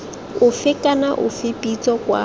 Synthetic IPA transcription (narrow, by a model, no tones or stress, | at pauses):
ʊfɪkʼanaʔʊ̰fɪpʼit͡sʼɔkwa̰